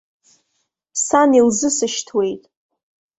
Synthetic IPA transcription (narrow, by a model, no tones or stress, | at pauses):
sanilzɨsɨʃtʰwe̞jtʼ